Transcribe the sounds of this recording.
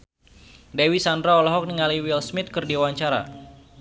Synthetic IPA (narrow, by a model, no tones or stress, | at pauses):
dewisandɾaɔlɔɦɔk̚niŋaliwilsmɪt̪̚kərdiwaɲt͡ʃaɾa̰